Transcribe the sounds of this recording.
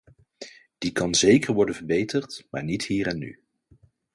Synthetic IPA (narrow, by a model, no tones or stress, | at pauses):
d̥ikɑnzejkəɹʋɔɹdənvəɹbejtəɹtmaːɹnitɦiːɾɛnːy̰